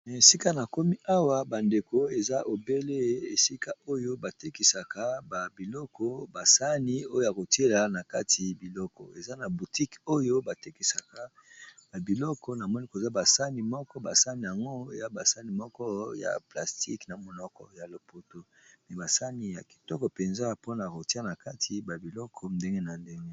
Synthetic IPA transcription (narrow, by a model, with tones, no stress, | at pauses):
n˨e˨si˦ka˦na˨ko˦mi˦ʔa˦wa˦ba˨nde˨ko˨e˨za˦ʔo˨be˦le˦e˨si˦ka˦o˦jo˦ba˨te˦ki˨sa˨ka˦ba˨bi˨lɔ˦kɔ˦ba˨sa˦ni˦o˦jo˦ja˨ko˨te˦la˨na˨ka˦tʰi˨bi˨lɔ˦kɔ̰˨e˨za˦na˨bu˨ti˦ko˦jo˦ba˨te˦ki˨sa˨ka˦ | ba˨bi˨lɔ˦kʰɔ˦na˨mɔ˦ni˦ko˨za˦ba˨sa˦ni˨mɔ˦kɔ˦ba˨sa˦ni˨ja˨ŋɡo˦˨ja˦ba˨sa˦ni˨mɔ˦kɔ˦ja̰˨pla˨sti˦kna˨mo˨nɔ˨kɔ̰˦ja˨lo˨po˦to˦mɛ˨ba˨sa˦ni˦ja˨ki̥˨tɔ˦kɔ˨pe˨nza˦po˦na˨ko˨ti˦a˦na˨ka˦tʰi˨ba˨bi˨lɔ˦kʰɔ˦nde˦ŋɡe˦na˨nde˦ŋɡe˦